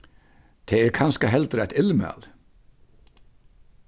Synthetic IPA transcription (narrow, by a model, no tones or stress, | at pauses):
t̪ʰeːeːɾkʰɑnskəɦɛlt̪ɾɛt̪ɪlməɑ̰l